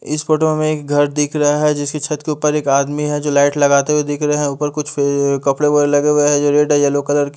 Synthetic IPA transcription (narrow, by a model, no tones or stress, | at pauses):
ɪ̰sfoːʈomẽeːk̚ɡʱɐɾd̪ɪkʰɾɐɦaɦɛd͡ʒɪskit͡ʃʰɐt̪keuːpəɾeːkaːd̪miɦɛ̃d͡ʒoːlaːɪʈlɐɡaːt̪eɦwed̪ɪkʰɾɐɦeɦɛ̃ʊːpəɾkʊt͡ʃʰekɐpɽebolɐɡeʋeɦɛ̃d͡ʒoːɾeːɖɦɛjaloːkələɾk